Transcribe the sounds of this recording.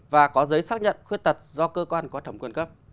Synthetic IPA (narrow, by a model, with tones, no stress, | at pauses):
vaː˨˩kɔ˨˦zəː˨˦jsaː˦˥k̚ɲə̰˧˨nxwi˧t̪ə˨˩t̚zɔ˧kəː˧kwaː˧nkɔ˨˦t̪ʰə˧˩mkwə˧nkə˦˥p̚